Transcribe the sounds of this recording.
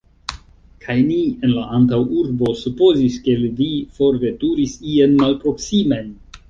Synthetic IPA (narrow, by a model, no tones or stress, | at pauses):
kʰajnie̞nlaʔantawuɾbo̞supo̞ziske̞lvifo̞ɾve̞tuɾisienmalpɾo̞ksimen